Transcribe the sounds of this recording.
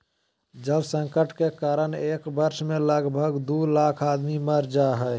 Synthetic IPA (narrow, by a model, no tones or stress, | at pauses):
d͡ʒəbsə̃ŋkəʈkekaːɾəneːkbəɾʃmẽləɡbʱəɡd̪ulaːkʰaːd̪miməɾd͡ʒaɦɛɪ